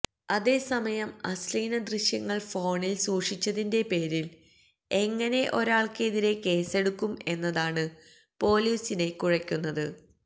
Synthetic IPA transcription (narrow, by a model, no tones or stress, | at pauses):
ɐðe̞ːsɐmɐjɐmɐ̰sliːnɐd̪riɕjɐŋːɐɭfo̞ːɳilsuːʂit͡ɕːɐðinde̞pe̞ːɾil | e̞ŋːɐne̞ʔo̞ɾaːɭke̞ðiɾe̞ke̞ːse̞ɽukːume̞nːɐðaːɳɨ | po̞ːlijusine̞kuɻɐkʲːunːɐðɨ